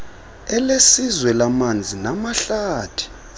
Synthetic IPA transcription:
ɛlesizwɛlamand͡zʱinamaɬaːtʰi̥

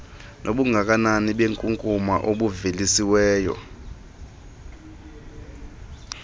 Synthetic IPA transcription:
nʔoɓuŋɡʱak̬ʼananiɓeŋkʼuŋkʼuma̰ʔoɓuvelisiwɛːjɔ̰

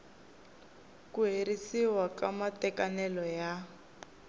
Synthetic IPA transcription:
kuɦeɾisiwakamatɛkanɛlɔja

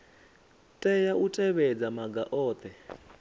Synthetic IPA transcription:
tʼɛjaʔutʼɛβɛd͡zamaɡaʔɔːt̪ʰʼɛ

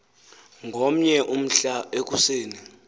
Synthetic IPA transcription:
ŋɡʱom̩ɲɛʔum̩ɬaek̬ʼuseːni

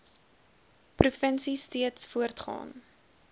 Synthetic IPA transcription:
prufənsistiətsfuərtχɑ̰ːn

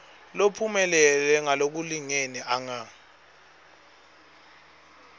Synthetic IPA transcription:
lopʰumɛlɛlɛŋalok̬uliŋenɛʔaŋa

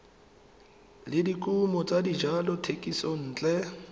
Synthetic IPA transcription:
lɪdikʼumɔt͡sʼadid͡ʒalɔtʰekʼisɔn̩ːt͡ɬʼɛ

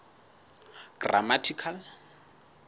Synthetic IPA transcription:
ɡ̥ra̰matʰikʰal

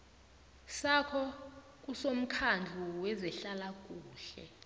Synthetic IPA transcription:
sakʰɔ | k̬ʼusom̩kʰand͡ɮʱuwɛzɛɬalak̬ʼuːɬɛ̰

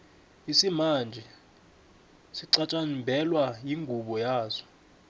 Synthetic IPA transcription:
isimand͡ʒʱɛ | siǀat͡ʃʼanmbʱɛlwajiŋɡʱuɓɔjaːzɔ̥

